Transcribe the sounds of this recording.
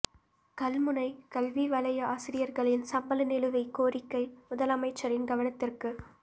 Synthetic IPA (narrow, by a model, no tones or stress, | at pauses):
kɐlmɯnɐɪkɐlʋiʋɐlɐjɐaːsɪɾɪjɐɾɣɐɭɪnsɐmbɐlɐnɪlɯʋɐɪkːoːɾɪkːɐɪmʊðɐlɐmɐɪt͡ʃːɐɾɪnɡɐʋɐnɐt̪ːɪrkɯ